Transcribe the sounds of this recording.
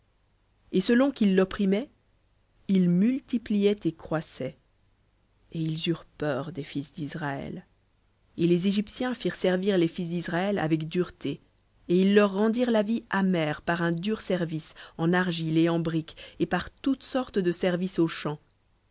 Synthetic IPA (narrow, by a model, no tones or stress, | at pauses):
esəlɔ̃kʲilːɔpχimɛ | ilmylt̪iplijɛt̪ekχwasɛ | eilzyʁpœʁd̪efisd̪izʁaɛ̰l | elezeʒipsjɛ̃fiʁsɛʁviʁlefis̬d̪isʁaɛla̰vɛkd̪yʁt̪ʰe | eilːœʁːɑ̃d̪iʁlaviamɛʁpaʁɛ̃d̪yʁsɛʁvisɑ̃naʁʒileɑ̃bʁikepaʁt̪ut̪sɔʁt̪d̪əsɛʁvisoʃɑ̃